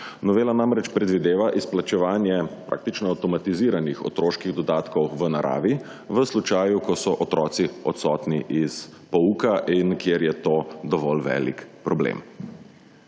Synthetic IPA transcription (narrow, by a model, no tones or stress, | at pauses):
nɔʋeːlanamɾɛt͡ʃpɾɛd̪ʋid̪eːʋaʔisplat͡ʃɛʋaːnjɛpɾa̰ːk̚t̪it͡ʃnɔawt̪ɔmat̪iziːɾanixɔ̰t̪ɾoːʃkiɣd̪ɔd̪aːt̪kɔwʋənaɾa̰ːʋi | ʋəslut͡ʃaːjukɔsɔʔɔt̪ɾɔːt̪siɔt̪sɔːt̪niʔis | pɔukaʔinkjeːɾjɛt̪oːd̪ɔʋɔlʋɛ̰ːlḭkpɾɔblḛm